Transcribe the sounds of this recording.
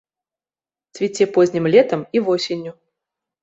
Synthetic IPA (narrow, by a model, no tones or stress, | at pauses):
svʲɪtʲepozʲnʲɪmlʲet̪əmivosʲɪnʲjʊ